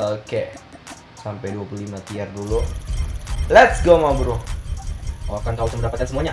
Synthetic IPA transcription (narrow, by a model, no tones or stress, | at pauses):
oke | sampajduapululimat̪iardulu | lɛt̪sɡomabɾu | oakant̪auk̪anmbəɾdapat̪ansəmuaɲa